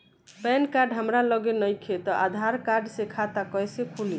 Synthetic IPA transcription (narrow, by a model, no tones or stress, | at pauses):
pɛnkaɾɖɦəmɾalɔɡenʌjkʰet̪ɔʔa̰d̪ʱaɾkaɾɖsekʰat̪akɔjsekʰuli